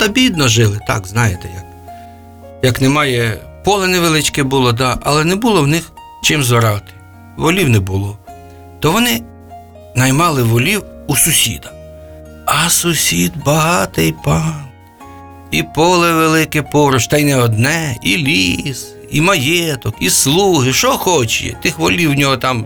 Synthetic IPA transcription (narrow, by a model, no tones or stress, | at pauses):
t̪ɐbʲid̪nɔʒɪlˠɪt̪ɑ̰kznɑjet̪ɛ̰jɐk | jɐknɛmɑjɛ | pɔlˠɛnɛʋelˠɪt͡ʃkɛbulˠɔd̪ɑʔɐ̰lˠɛnɛbulˠɔwnɪx | t͡ʃɪmzʋɔɾɑt̪ɪ̥ | ʋɔlʲiwnɛbʊlˠɔ | t̪ɔʋɔnɪ | nɐjmɑlˠɪʋɔlʲiwusʊsʲḭd̪ɐ | ɐsʊsʲid̪bɐɦɑt̪ɪjpɑn | ipɔlˠɛʋelˠɪkɪpɔɾʊʃt̪ɑjnɛɔd̪nɛilʲis | imɐjɛt̪ɔkislˠuɦɪʃɔxɔt͡ʃjɛ̰t̪ɪxʋɔlʲiwnʲɔɦɔt̪ɑm